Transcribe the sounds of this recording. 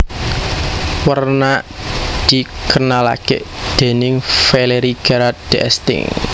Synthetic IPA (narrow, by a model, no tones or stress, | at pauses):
wərnad̪̥i̤kənala̰kḛʔd̪̥e̤nɪŋfeleɾiɡ̥aɾat̪̚d̪̥eʔɛ̰st̪ɪ̰ŋ